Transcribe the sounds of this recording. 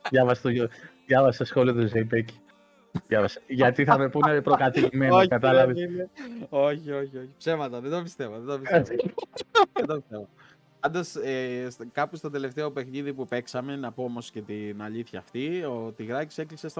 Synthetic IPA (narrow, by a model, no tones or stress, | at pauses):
ðjɐvɐse̥t̪oʝoðʝɐvɐseɐsxo̞liɐt̪ozejpeci̥ | ðjɐvɐse̥ʝɐt̪iθɐme̞punepɾokɐt̪iɣmenokɐt̪ɐlɐveneo̞çio̞çio̞çi̥pse̞vmɐt̪ɐðed̪obist̪e̞voðed̪opis | ðend̪obist̪evo | pɐnd̪ɐseskɐpust̪ɐd̪e̞le̞ft̪eɐpe̞xniðipupe̞ksɐme̞nɐpo̞o̞mo̞sce̞t̪inɐʎiθçɐːft̪iot̪iɣɾɐci̥se̞kliksest̪